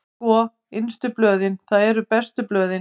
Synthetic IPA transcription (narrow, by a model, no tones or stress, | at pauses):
ɔː | ɪnst̪ʏplœːðɪnθaðɛɾʏpɛst̪ʏplœːðɪ